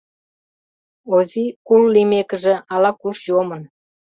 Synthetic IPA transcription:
ozikulːimekə̆ʒĕɑlɑkuʃjomən

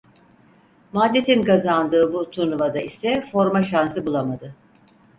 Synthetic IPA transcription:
mad̪ːet̪ʰinkazand̪ɯːbut̪ʰunuvad̪aisɛfo̞ɾmaʃansɯbulˠamad̪ɯ

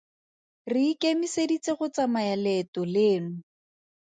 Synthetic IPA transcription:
rikemisedit͡seχʊt͡samaɛlɛtɔleːnʊ

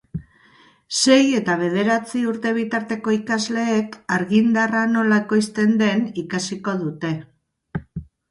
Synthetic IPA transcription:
se̞je̞t̪aβ̞e̞ð̞e̞ɾat͡siuɾt̪e̞β̞it̪aɾt̪e̞ko̞ikazle̞ːkaɾɣind̪arano̞laeko̞jst̪e̞nd̪e̞nikasiko̞ð̞ut̪e̞

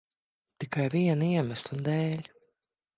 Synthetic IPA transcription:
t̪ikajviɛniɛmæslʲˠɨd̪ɛːlʲ

